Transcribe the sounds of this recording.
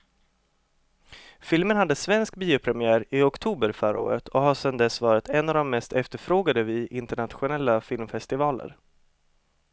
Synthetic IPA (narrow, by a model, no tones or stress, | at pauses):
fɪlmənhad̪ːəsvɛnsk̚biːʊpʰɾɛmɪæːɾɪɔkt̪ʰuːbəɾfœɾə̰o̰ːɾə̰t̪ʰɔhaʂɛnd̪ɛsvɑːɾɪt̪ʰɛnːavd̪ɔmːɛst̪ʰɛft̪əɾfɾoːɡad̪əvɪʔɪnt̪əɳat̪ɧʊnɛlːafɪlmfɛst̪ɪvɑːlə̰ɾ